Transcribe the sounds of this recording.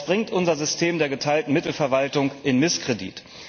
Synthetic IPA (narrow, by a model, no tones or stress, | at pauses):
b̥ʁɪŋtʔʊnzɐzʏstʰeːmdeːɐɡətʰaɪltn̩mɪtl̩fɛɐvaltʊŋʔɪnmɪskʁ̥edḭːt